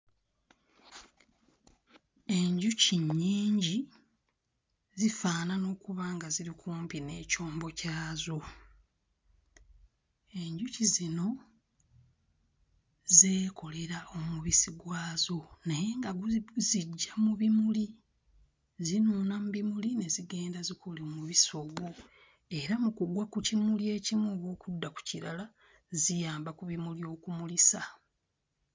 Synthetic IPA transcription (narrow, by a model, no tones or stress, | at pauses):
e̞ɲɟuciɲːiːɲɟi | zifaːnano̞ːkuβaːŋɡaziɾikuːmpine̞ːco̞ːmbo̞caːzo̞ | e̞ɲɟucizino̞ | ze̞ːko̞le̞ɾaʔo̞muβisiɡwaːzo̞naje̞ŋɡaɡuziɟːamuβimuli | zinuːnamubimuline̞ziɡe̞ːndazikʰolimuβiso̞ɡwo | e̞ɾamukuɡwakucimulje̞ːcimuoβo̞ːkudːaku̥ciɾala | zijaːmbakuβimuljo̞ːkumulisa